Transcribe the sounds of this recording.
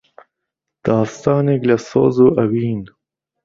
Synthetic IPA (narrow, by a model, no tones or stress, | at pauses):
d̪̥ɑːst̪ɑːneɡlaso̰ːzuʔɐwiːn